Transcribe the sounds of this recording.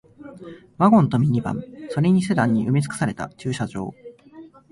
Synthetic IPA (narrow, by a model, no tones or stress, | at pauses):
βaɡõ̞nt̪o̞mʲiɲ̟ibã̰mso̞ɾe̞ɲ̟is̬e̞d̪ãɲ̟ːiʔɯmʲit͡sɨ̥kɯ̥saɾe̞t̪a̰t͡ɕɨːɕaʑo̞̰ː